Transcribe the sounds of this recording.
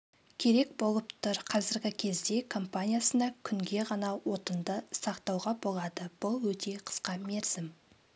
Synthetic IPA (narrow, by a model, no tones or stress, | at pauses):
kʲʰe̞ɾe̞k̚bo̞lˠəpt̪ʰʊɾqʰɑzɪɾɡʲɪkʲʰe̞zd̪e̞kʰo̞mpanʲijasənɑkʲʰʏŋɡʲe̞ʁɑnɑwo̞t̪ənd̪əsɑqt̪ɑwʁɑbo̞lˠɑd̪əb̥ʊlˠwɵt̪e̞qʰə̥sqɑmeɾsɪm